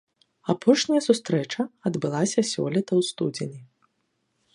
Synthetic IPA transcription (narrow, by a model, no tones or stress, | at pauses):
apʰɔʂnʲɐjɐsust̪ɾɛt͡ʂɐɐd̪bɨlˠasʲɐsʲɔ̰lʲit̪ɐwst̪ud͡zʲenʲi